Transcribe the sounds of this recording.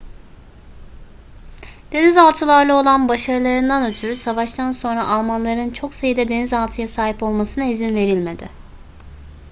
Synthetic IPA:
d̪̥e̞nizalˠt̪ʰɯlˠaɾlˠɯo̞lˠanbaʃaɾɯlˠaɾɯnd̪anø̞t̪ʰyɾysavaʃt̪ʰanso̞nɾaʔalˠmanlˠaɾɯnt͡ʃʰo̞ksajɯd̪ɛd̪e̞nizalˠt̪ʰɯjasaːɦipo̞lˠmasɯnaizinve̞ɾilʲme̞d̪ɪ̰

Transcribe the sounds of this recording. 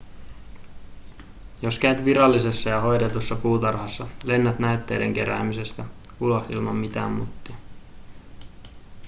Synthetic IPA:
jo̞skæɥt̪ʋiɾɑlːisesːɑjɑɦo̞jdet̪usːɑpuːt̪ɑrɦɑsːɑle̞nːæt̪næyt̪ːe̞̰ːde̞ŋk̟e̞ɾæ̰ːmise̞st̪æ | ulo̞hḭlmɑmmit̪æ̰ːmmut̪ːi

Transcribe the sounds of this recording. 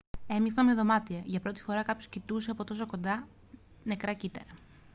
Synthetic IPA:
e̞misɐmeðo̞mɐt̪ieʝɐpɾo̞t̪i̥fo̞ɾɐkɐpço̞scit̪use̞ɐpo̞t̪o̞so̞ko̞nd̪ɐ | ne̞kɾɐcit̪eɾɐ

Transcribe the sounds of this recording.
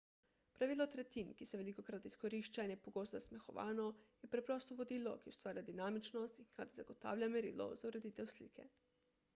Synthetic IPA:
pɾaʋiːlɔt̪ɾɛt̪inkisɛʋɛlikokɾat̪iskoɾiʃt͡ʃainɛpoɡoːst̪zasmɛxɔʋa̰ːnɔjɛpɾɛpɾɔːst̪ɔʋod̪iːlɔ̰kiu̥st̪ʋaːɾiad̪inaːmit͡ʃnɔst̪inxkɾa̰ːt̪izaɡot̪a̰ːwlʲamɛɾḭːlɔ̰zauɾed̪iːt̪ɛwslḭːkʰɛ̰

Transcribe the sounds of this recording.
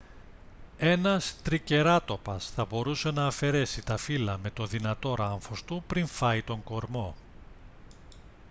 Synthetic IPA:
e̞nɐst̪ɾice̞ɾɐt̪o̞pɐsθɐbo̞ɾuse̞nɐːfe̞ɾe̞sit̪ɐfilɐme̞t̪o̞ðinɐt̪o̞ɾɐɱfo̞st̪upɾiɱfɐit̪o̞ŋɡo̞ɾmo̞

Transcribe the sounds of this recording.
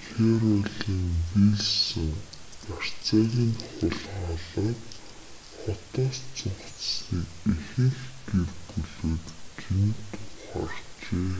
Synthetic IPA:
xeɾʊɮiːŋwiɮsɘ̆ŋar̥t͡saːɣʲiːnχʊɮχɔɮɔːt̪ | χɔt̪ɔːst͡sʰʊɴχt͡ssniːkixɘ̆ŋxɡ̪erɡuɮoːt̪kint̪ʰʊχɔ̰rt͡ɕeː

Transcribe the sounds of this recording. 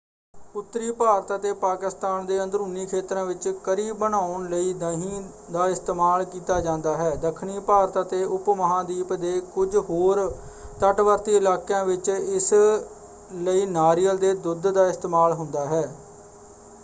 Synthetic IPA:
ʊt̪ːɾiːpaːɾt̪aːt̪eːpaːkɪst̪aːnd̪eːə̃nd̪ɾuːniːkʰeːt̪ɾãːʋɪt͡ʃkəɾiːbːənaːʊɳləiːd̪əɦĩː | d̪aːɪst̪eːmaːlkiːt̪aːd͡ʒãːnd̪aːɦɛːd̪əkʰɳiːpaːɾt̪aːt̪eːʔʊpməɦãːd̪iːpd̪eːkʊd͡ʒɦoːɾt̪əʈʋəɾt̪iːɪlaːkãːʋɪt͡ʃɪs | ləiːnaːɾiːəld̪eːd̪ʊd̪d̪aːɪst̪eːmaːlɦʊnd̪aːɦɛː

